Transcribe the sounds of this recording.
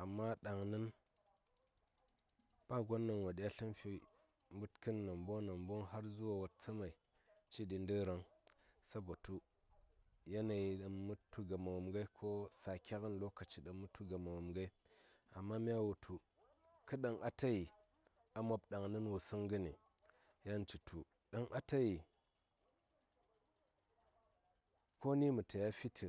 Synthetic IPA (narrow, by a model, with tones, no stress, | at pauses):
a˨mːa˦ɗa˨ŋnə˦n | pa˦ɡo˦nːa˨nwo˨ɗi˦a˦ɬi˦nfi˦ | mbu˦tkɨ˦nːa˨mbo˦na˨mbo˦ŋɦa˦ɾzu˦wa˨wa˨t͡sə˦ma˨i˨ | t͡ʃi˦ɗi˨ndə˦ɾa˨˦ŋsa˦bo˨tu˦ | ja˦na˨ji˨ɗa˨nmu˦tːu˦ɡa˨ma˨wo˨mɡa˦kʰo˦sa˨kʲa˦ɣə˦nlo˦ka˨t͡ʃi˨ɗa˨mːu˦tʰu˦ɡa˨ma˨wo˨mɡa˦i˦ | a˨mːa˦mi˦ja˦wu˨tʰu˨ | kɨ˦ɗa˦ŋʔa˦ta˦ji˨ | a˨˦mo˦bɗa˨ŋnɨ˦nwu˨sɨ˦ŋɡə˦ni˨ | ja˦n˦t͡ʃi˨tʰu˨ | ɗa˦ŋʔa˦ta˦ji˨ | ko˦ni˦mu˨tə˨ja˦fi˦tʰi˨